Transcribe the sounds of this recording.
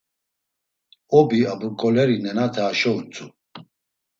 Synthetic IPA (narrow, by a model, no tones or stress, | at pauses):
ɔbiabuɾkʼɔlɛɾinɛnat̪ʰaːʃɔut͡sʼu